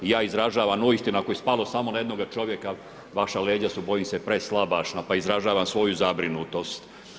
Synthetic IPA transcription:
ijaːizɾaʒaːʋamoist̪inakojespalo̞samo̞naje̞d̪no̞ɡat͡ʃo̞ʋje̞ka | ʋaʃale̞ːd͡ʑasubo̞jimsepɾeslˠabaʃnapaizɾaʒaːʋamsʋo̞juzabɾinut̪o̞st̪

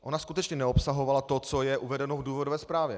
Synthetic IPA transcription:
ʔo̞naskut̪ɛt͡ʃɲɛnɛopsaɦo̞valat̪o̞t͡sojɛʔuvɛdɛnovduːvodovɛːspɾaːvjɛ

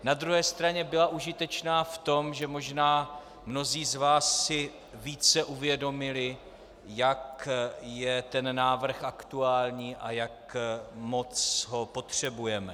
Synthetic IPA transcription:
nad̪ɾuɦɛːst̪ɾaɲɛbɪlaʔuʒɪt̪ɛt͡ʃnaːft̪o̞mʒɛmo̞ʒnaː | mno̞ziːzvaːsːɪ | viːt͡sɛʔuvjɛdo̞mɪlɪ | jakjɛt̪ɛnːaːvr̩xʔakt̪uaːlɲiːʔa̰jakmo̞t͡sɦo̞po̞t̪r̝̥ɛbujɛmɛ

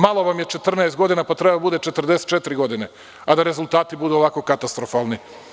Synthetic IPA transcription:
malo̞ʋamje̞t͡ʃe̞t̪r̩nɛest̪ɡo̞d̪inapat̪ɾe̞bad̪abud̪e̞t͡ʃet̪r̩d̪e̞se̥t̪t͡ʃet̪iɾiɡo̞d̪ine̞ | ad̪aɾe̞zulˠt̪aːt̪ibud̪uoʋako̞kat̪ast̪ɾo̞faːlˠni

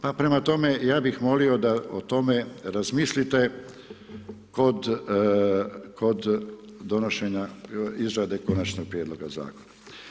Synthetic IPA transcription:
papɾe̞mat̪o̞me̞jaːbixmo̞lio̞d̪aot̪o̞me̞ɾazmiːslit̪e̞ | ko̞d̪ | kʰo̞d̪ː | o̞no̞ʃe̞ɲaizɾad̪e̞ko̞nat͡ʃnoɡ̚pɾjed̪lo̞ɡaza̰ːko̞na

